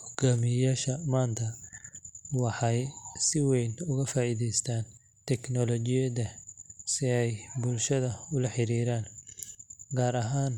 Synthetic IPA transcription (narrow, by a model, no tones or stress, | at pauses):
hɔɡaːmɪjaːʃɐmaːnt̪ʰɐ | wɑħɑjsɪwɛjnʊɣɐfaːʔiːðɛjst̪ʰaːn | t̪ʰɛknɔlɔt͡ʃɪjɐðɐsɪɛjbʊlʃɐðɐʊlɐħɪɾiːɾaːn | ɡaːɾɐɦaːn